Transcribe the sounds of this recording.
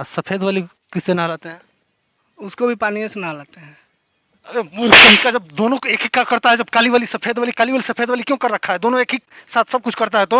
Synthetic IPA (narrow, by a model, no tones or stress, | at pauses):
sɐpʰeːd̪ʋaːli | kɪsːenalaːt̪eɦɛ̃ː | ʊskobʱipaːniẽsenalaːt̪eɦɛ̃ː | ɐɾemʊɾkɐikːad͡ʒɐb̚d̪oːnõeːkɦikakɐɾt̪aɦɛd͡ʒɐb̚kaːliʋaːlisɐpʰeːd̪ʋaːlikaːliʋaːlisɐpʰeːd̪ʋaːlikjõːkɐɾːɐkʰaɦɛd̪oːnõeːkɦiksaːt̪ʰsɐb̚kʊt͡ʃʰkɐɾt̪aɦɛt̪oː